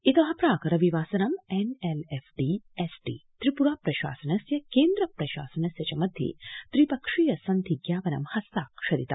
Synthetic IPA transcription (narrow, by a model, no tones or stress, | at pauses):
it̪ɐɦɐpɾaːkɐɾɐʋiʋaːsɐnɐmenelefɖiesʈḭːt̪ɾipuɾaːpɾɐʃa̰ːsɐnɐsjɐkeːnd̪ɾɐpɾɐʃa̰ːsɐnɐsjɐt͡ɕamɐd̪ʱjḛt̪ɾipɐkʂijɐsɐnt̪ʰiɡjaːʋɐnɐ̰mhɐst̪aːkʃɐɾit̪ɐ̰